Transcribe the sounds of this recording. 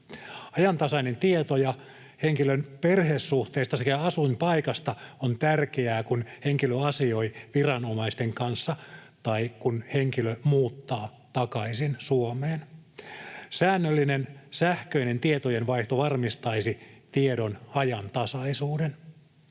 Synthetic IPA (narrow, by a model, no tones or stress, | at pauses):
ɑjɑnt̪ɑsɑinent̪iet̪ojɑ | heŋkilønperheːsːuht̪eːst̪ɑsekæɑsumpɑikɑst̪ɑont̪ærkeæːkunheŋkiløɑsioiʋirɑnomɑist̪eŋkɑnsːɑ | t̪ɑikunheŋkilømuːt̪ːɑː | t̪ɑkɑisinsuomeːn | sæːnːølːinensæhkøinent̪iet̪ojenʋɑiht̪oʋɑrmist̪ɑisit̪iedonɑjɑnt̪ɑsɑisuːden